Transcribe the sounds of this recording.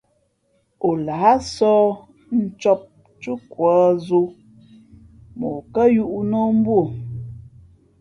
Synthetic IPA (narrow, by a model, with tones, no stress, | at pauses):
o˨la˨˦a˦sɔː˦ | n̩˦t͡ʃɔ˦p̚ | t͡ʃu˦kwa˨˦zu˦ | mo˨kə˦ju˦ʔu˦no˦m̩˦bo˦˨